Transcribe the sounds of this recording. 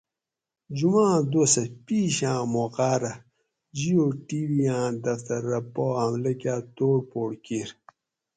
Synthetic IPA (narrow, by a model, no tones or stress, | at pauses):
d͡ʑumãːd̪osɐpiːɕãːmoqaːɾɐ | d͡ʑijoːʈiwijãːd̪ɐft̪ɐɾːɐpoɐmlɐkjaːt̪oːɽpoːɽkiɾ